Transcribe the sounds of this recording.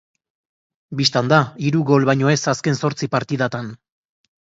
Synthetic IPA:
bist̪and̪aiɾuɣo̞lβajɲo̞e̞saske̞nso̞ɾt͡sipaɾt̪iðat̪an

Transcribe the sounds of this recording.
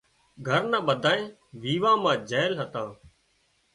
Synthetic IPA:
ɡʱəɾnaːɓəd̪ʱaːẽː | ʋiːʋãːmãːd͡ʒɛːlɦət̪ãː

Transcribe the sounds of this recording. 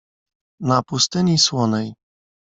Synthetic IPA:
napust̪ɘɲiswɔnɛj

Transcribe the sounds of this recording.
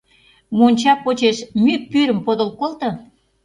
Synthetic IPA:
monʲt͡ɕɑpːot͡ɕeʃmypyɾə̆mpod̪ŏlkolt̪ɤ̆

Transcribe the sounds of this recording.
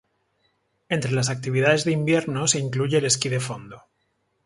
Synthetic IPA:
e̞nt̪ɾe̞las̬ak̚t̪iβiðaðe̞zðeimbje̞ɾno̞se̞iŋkluʝe̞ːle̞skiðe̞fo̞nd̪o

